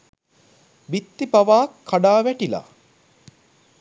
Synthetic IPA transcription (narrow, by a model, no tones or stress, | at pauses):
bit̪ːipaʋaːkʰːaɖaːʋæʈila̰